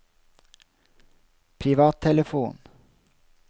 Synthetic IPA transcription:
pʰɾɪʋɑːt̪ʰɛləfuːn

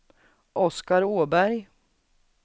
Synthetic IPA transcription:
ʔɔskaɾoːbæɾj

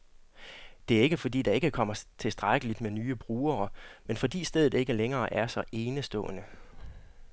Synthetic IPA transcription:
d̥e̝æɐe̝ɡ̥əfɒ̽dḭːd̥ɑ̈e̝ɡ̥əkʰɒ̽m̰ɐt͡sʰe̝lsd̥ʁaɡ̥əlid̥menyːəb̥ʁuːɐːmenfɒ̽d̥ḭːsd̥eð̞̰ˠð̩ˠe̝ɡ̥əleŋɐːʔæɐsɒ̽ʔe̝ːnəsd̥ɔ̰̽ːnə

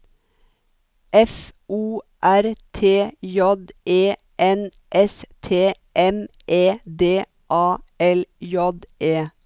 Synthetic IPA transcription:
ɛfʔuːʔæɾt̪ʰeːjɔd̪eː | ʔɛn | ʔɛst̪ʰeː | ʔɛm | ʔeːd̪eː | ʔɑːɛljɔd̪ʔeː

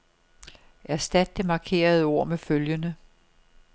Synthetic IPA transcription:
ʔæɐsd̥æd̥̚d̥e̝mɑ̈kʰe̝̰ːɐðˠo̝ɐ̰meføljənə

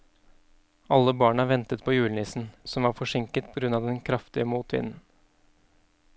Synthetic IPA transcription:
ɑlːəbɑːɳəʋɛnt̪ət̪̚pʰoːjʉːlnɪsn̩sɔmʋɑːɾfɔʂɪŋkət̪pʰɔɡɾʉnɑːʋd̪ɛnkʰɾɑft̪ɪəmuːt̪ʰʋɪ̰nn̩

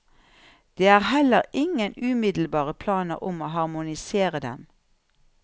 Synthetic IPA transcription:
d̪̥eːæːʁhɛləʁʔɪŋənʉːmɪd̪l̩bɑːʁəpʰlɑːnəʁʊmoːhɑʁmʊnɪseːʁəd̪ɛ̰m

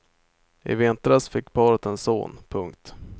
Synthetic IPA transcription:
ɪ̰vɪnt̪ɾasfɪkːpʰɑːɾət̪ɛnso̰ːnpʰɵŋkt̪

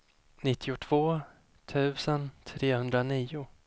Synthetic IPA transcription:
nɪt̪ʰːɪʊt̪ʰv̥oː | t̪ʰʉ̟ːsənt̪ʰɾeːhɵnd̪ɾaniːʊ

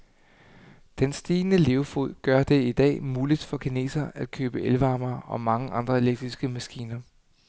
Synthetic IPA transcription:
d̥ensd̥iːnəle̝ʊfoð̰ˠɡ̥ɶɐd̥e̝id̥ɛ̰ːmuːlid̥fɒ̽kʰenḛːsɐæd̥̚kʰøːb̥əʔelʋɑ̈ːmɐːʔɒ̽mɑ̈ŋəʔɑ̈nd̥ʁɐe̝leɡ̥̚d̥ʁisɡ̥əmæsɡ̥ḭːnɐ

